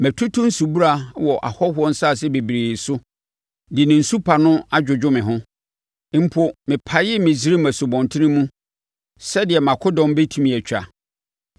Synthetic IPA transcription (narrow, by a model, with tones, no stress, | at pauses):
mæ˨tʰu˦tʰʊ̃˦n̩˦su˨bu˦ɾa˨wɔ˨ʔa̰˨hɔ˦hʊ˦ɔ˦n̩˦sa˦˨s̬ɛ˦be˨bi˨ɾe˨sʊ˦ | dɪ˨nɪ̃˨n̩˨su˦pʰa˨nʊ̃˦a˦d͡ʑᶣʊ˨d͡ʑᶣʊ˦mɪ̃˨ɦʊ̃˦ | m̩˦pʰo˦mɪ̃˨pʰa˨jɪ˦mɪ̃˨zi˦ɾi˦mæ˨sʊ˨bɔ̃˨ntʰɪ˦nɪ̃˦mũ˦ | sɛ˦dɪ˨ɛ˨mã˨kʰʊ˦dɔ̃˦m˦be˦tʰĩ˦mĩ˨æ˨t͡ɕʰᶣa̰˨